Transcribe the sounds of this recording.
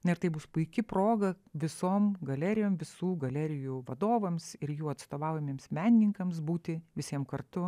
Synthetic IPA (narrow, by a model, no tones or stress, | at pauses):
nɐɪɾt̪ɐɪbʊspʊɪkʲɪpɾoːɡɐ | ʋʲɪsoːmɡɐlʲæːɾʲɪjoːmʋʲɪsuːɡɐlʲæːɾʲɪjuːʋɐd̪oːʋɐmsɪɾjuːɐt̪st̪oːʋɑˑʊjɛmʲiːmsmʲæːnʲɪnʲɪŋkɐmsbuːt̪ʲɪʋʲɪsʲiɛmkɐrt̪ʊ